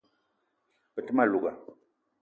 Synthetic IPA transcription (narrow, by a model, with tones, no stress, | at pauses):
pə˨tɨ˦ma˦˨lu˨ɡa˨